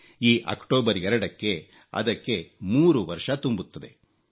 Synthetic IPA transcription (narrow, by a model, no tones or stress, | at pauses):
iːʔɐ̰kʈoːbɐɾɛɾɐɽɐkːe̞ | ɐ̰d̪ɐkːe̞muːɾuʋɐɾʂɐt̪umbut̪ːɐd̪e̞̰